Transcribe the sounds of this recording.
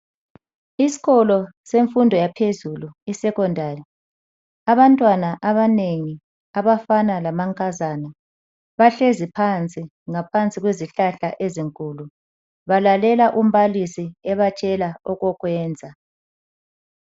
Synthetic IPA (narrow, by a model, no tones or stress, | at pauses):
isi̥ɣɔlɔseɱfundʱɔjapʰezuluisɛkɔndʱari | aβantʼwanaʔaβaneŋi | aβafanalamaŋkʼazana | βaɬezipʰant͡sʼi | ŋapʰant͡sʼiɣweziɬaɬaʔeziŋkʼulu | βalalɛlaʔum̩βalisiɛβat͡ʃʼɛlaɔɣɔɣwɛːnd͡zʱa